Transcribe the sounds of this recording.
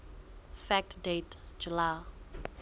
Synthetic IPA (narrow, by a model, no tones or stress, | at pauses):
fɛk̚tdetd͡ʒula